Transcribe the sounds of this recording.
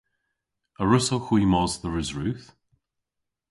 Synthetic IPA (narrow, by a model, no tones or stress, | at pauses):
əɹʊsoxwiːmɔzðəɹɪzɹʉːθ